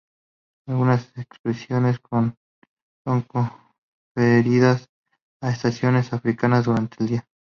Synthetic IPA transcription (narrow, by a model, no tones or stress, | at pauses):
alɣunasekspɾesjo̞ne̞skon | so̞ŋko | feɾiðas | aest̪asjo̞ne̞safɾikanazðuɾant̪eːld̪ia